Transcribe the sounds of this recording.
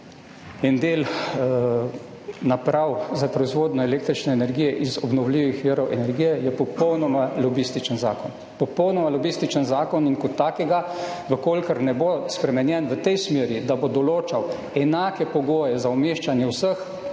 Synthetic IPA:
ind̪eːl | napɾawzapɾɔizʋoːd̪nɔɛleːk̚t̪ɾit͡ʃnɛːnɛɾɡiːjɛʔizɔbnɔwliːʋixʋiɾɔwʔɛnɛɾɡijɛjɛpɔpɔwnɔmalɔbist̪it͡ʃənza̰ːkɔn | pɔpɔwnɔmalɔbist̪it͡ʃənzaːkɔniŋkɔt̪ːaːkɛɡa | ʋəkoːlʲkəɾnɛbospɾɛmɛnjɛnʋət̪ɛjsmeːɾid̪abod̪ɔloːt͡ʃaw | ɛnaːkɛpɔɡoːjɛzaɔmeʃt͡ʃanjɛwsəx

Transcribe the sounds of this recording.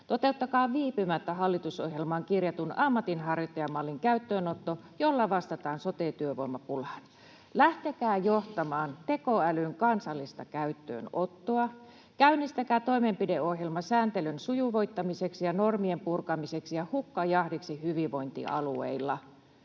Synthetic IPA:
t̪ot̪e̞ut̪ːɑkɑːʋiːpymæt̪ːæɦɑlːit̪usohjelmɑːŋkirjɑt̪unɑmːɑt̪inɦɑrjot̪ːɑjɑmɑlːiŋkæyt̪ːøːnot̪ːojolːɑʋɑst̪ɑt̪ɑːnsot̪eːt̪yøʋoimːɑpulhɑn | læht̪ekæːjoht̪ɑmɑːnt̪e̞koælyŋkɑnsɑlːist̪ɑkæyt̪ːø̰ːnot̪ːoɑ | kæynːist̪ækæːt̪o̞imempide̞o̞hjelmɑsæːnt̪elynsujuʋo̞jt̪ːɑmiseksijɑnormiempurkɑmiseksijɑhukːɑjɑhdiksihyʋiʋo̞jnt̪ḭʔɑ̰luḛilːɑ

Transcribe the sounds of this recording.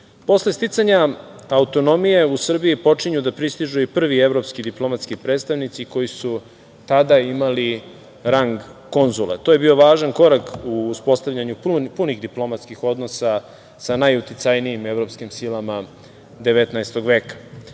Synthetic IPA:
po̞sle̞st̪it̪saɲaaut̪o̞no̞mije̞usr̩biipo̞t͡ʂiɲud̪apɾist̪iʒuipr̩ʋie̞ʋɾo̞pskid̪iplˠo̞mat̪skipɾe̞ːt̪st̪aʋnit̪siko̞jisu | t̪ad̪aimali | ɾaŋɡko̞nzulet̪ojebio̞ʋaːʒanko̞ɾakuːspo̞st̪avʎʲaɲuppuniɣd̪iplˠo̞mat̪skixo̞d̪nosa | sanajut̪it̪sajnijime̞vɾo̞pskimsilˠama | d̪e̞ʋe̞t̪naest̪oɡʋeːkḁ

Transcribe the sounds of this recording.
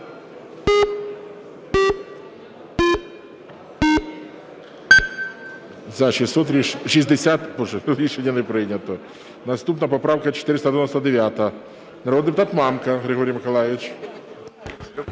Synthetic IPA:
zɐʃisʲɔt̪ɾʲiʃizʲd̪esʲat̪pɔʒlʲˠiʃenʲːɐnɛpɾɪnʲːɐt̪ɔ | nɐst̪upnɐpɔpɾɑwkɐt͡ʃe̥t̪ɪɾɪst̪ɐd̪eʋɛnɔsɐd̪eʋʲjat̪ɐ | nɐɾɔd̪d̪pʊt̪ɑt̪mɑmkɐɣɾɪɦɔɾʲijmɪkɔlˠajɪt͡ʃ

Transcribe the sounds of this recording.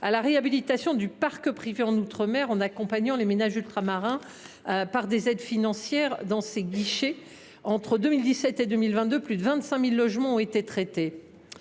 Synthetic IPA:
alaʁeabilit̪asjɔ̃d̪ypaʁkəpχiveɑ̃nut̪χəmɛʁɑ̃nakɔ̃paɲɑ̃lemenaʒylt̪χamaʁɛ̃ | paʁd̪ezɛd̪finɑ̃sjɛʁd̪ɑ̃seɡʲiʃe | ɑ̃t̪χəd̪ømild̪isɛt̪ed̪ømilvɛ̃t̪̚d̪øplyd̪əvɛ̃t̪sɛ̃milːɔʒmɑ̃ɔ̃et̪et̪χet̪e

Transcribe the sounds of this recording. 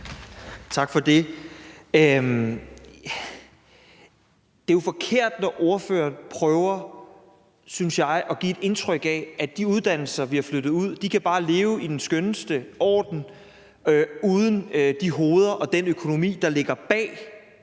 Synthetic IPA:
t͡sʰɑ̈ɡ̥fɒ̽d̥e̝ | d̥e̝jo̝fɒ̽kʰe̝ɐ̰d̥nɒʔɔɐfø̰ːɐnpʰʁœːʊɐ | synsjɑ̈ɪʔɒ̽ɡ̥ie̝d̥e̝nt͡sʰʁœɡ̥ɛæd̥iuð̞ˠd̥æn̰l̩sɐʋihɑ̈fløɾ̥ð̞̩ˠuð̞̰ˠd̥ikʰæb̥ɑ̈ːle̝ːʊid̥ensɡ̥ønəsd̥əɒ̰ːd̥n̩ | uð̞ˠənd̥iɦo̝ːð̞ˠɐʔɒ̽d̥enøkʰo̝no̝mḭːd̥ɑ̈le̝ɡ̥ɐb̥ɛ̰ː

